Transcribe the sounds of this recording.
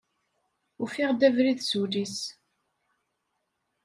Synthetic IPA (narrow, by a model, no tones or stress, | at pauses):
ʊfiʁd̪ævɾiðsulis